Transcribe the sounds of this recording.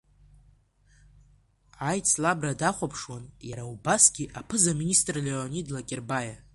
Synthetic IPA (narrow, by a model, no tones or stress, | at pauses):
ajt͡sʼʰlabradaχʷapʰʂwanjaɾaubasɡʲiʔapʰɨzaminʲistʼrleonidlakʲʼerbaja